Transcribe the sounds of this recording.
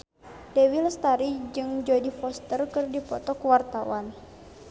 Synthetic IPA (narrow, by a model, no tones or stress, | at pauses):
dɛwilst̪aɾid͡ʒɨŋd͡ʒodifɔst̪ərkɨrdipɔt̪ɔkwart̪awan